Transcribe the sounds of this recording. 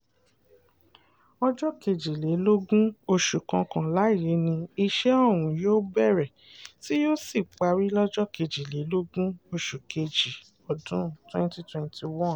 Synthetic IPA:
ɔ˦d͡ʒɔ˦ke˧d͡ʒi˨le˨˦lo˦ɡũ˦o˧ʃu˨kã˧kã˨la˨˦i˦˨je˨˦nĩ˧i˧ʃɛ˦ɔ˦˨w̃ũ˨joː˦bɛ˦˨ɾɛ˨ | ti˦jo˦si˦˨k͡pa˧ɾi˦lɔ˦d͡ʒɔ˦ke˧d͡ʒi˨le˨˦lo˦ɡũ˦o˧ʃu˨ke˧d͡ʒi˨ | ɔ˨dũ˨˦twɛ̃˦nti˦twɛ̃˧ntʰi˧wɔ̃˦˨

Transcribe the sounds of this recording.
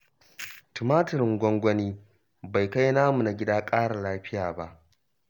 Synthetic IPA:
tɪ˨maː˦tɪ˨ɾɪ˨ŋɡʷɔ˦ŋɡʷɔ˦niː˦ | ba˨jka˦jnaː˦mu˨na˨ɡʲɪ˦daː˦kʼaː˦ɽa˨laː˦ɸɪ˦jaː˨ba˦ʔ

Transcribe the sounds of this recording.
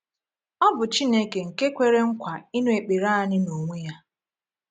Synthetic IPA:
ɔ˦bʊ˨t͡ʃi˦ne˦ke˨ŋ̩˨ke˦kʷe˦ɾe˦ŋ̩˦kʷa˨i˦nwe˨k͡pe˨ɾa˦a˨nɪ˦no˨ŋʷe˦ja˦

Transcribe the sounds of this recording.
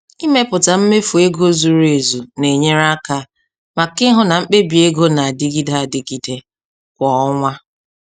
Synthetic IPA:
i˦me˦pʊ˨ta˨m̩˦me˦fu˨e˦ɡo˦zu˨ɾe˨zu˨ne˨ɲe˦ɾa˦ka˦ | ma˨kɪ˦ɦʊ˦na˨ŋ͡m̩˦k͡pe˦bi˨e˦ɡo˦na˨a˨dɪ˦ɡi˦da˦˨dɪ˨ɡi˨de˦ | kʷɔ˨˦ŋʷa˦

